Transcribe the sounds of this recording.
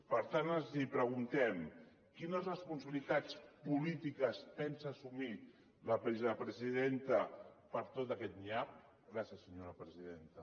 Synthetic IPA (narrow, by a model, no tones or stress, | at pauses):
pəɾt̪anənzipɾəɣunt̪ɛm | kinəzrəspunsəβilit̪at͡spulit̪ikəspɛnsaːsumi | ləpɾizpɾəziðent̪əpəɾt̪ot̪əkɛt̪̚niap̚ | ɣɾasjəsːəɲoɾəpɾəziðent̪ə